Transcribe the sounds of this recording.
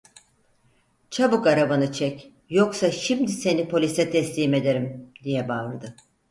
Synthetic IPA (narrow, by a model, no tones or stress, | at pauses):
t͡ʃʰabɯkaɾabanɯt͡ʃʰɛc | joksaʃimd̪ise̞nipʰo̞lʲisɛt̪ʰɛslʲiːme̞d̪e̞ɾimd̪ijɛbaɾd̪ɯ